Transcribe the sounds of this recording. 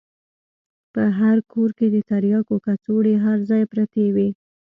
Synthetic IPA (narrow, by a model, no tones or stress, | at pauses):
pəɦaɾkʰoɾked̪ət̪aɾjɑkokat͡soɽeɦaɾzɑjpɾat̪ewi